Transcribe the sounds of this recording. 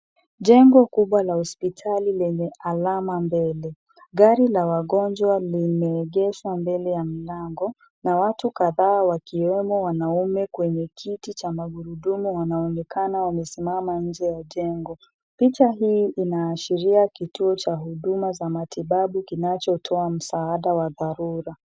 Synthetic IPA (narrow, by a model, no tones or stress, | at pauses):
ʄɛŋɡɔkuɓwalahɔspitʰalilɛɲɛʔalamambɛlɛ | ɠaɾilawaɠɔnd͡ʒwalimɛːɠɛʃwambɛlɛjam̩laŋɡɔ | nawatukaðaːwakiwɛmɔwanaumɛkwɛɲɛkʰitit͡ʃamaɡuɾuɗumuwanaɔnɛkanawamɛsimamaɲ̩d͡ʒɛjaʄɛŋɡɔ | pit͡ʃaɦiːʔinaːʃiɾiakituɔt͡ʃaɦuɗumazamatiɓaɓukinat͡ʃɔtʰɔam̩saaɗawaðaɾuɾa